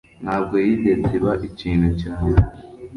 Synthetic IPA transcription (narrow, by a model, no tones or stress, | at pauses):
n̥haːb̚ɡo̞jidetʰiβaʔiciːnecaːne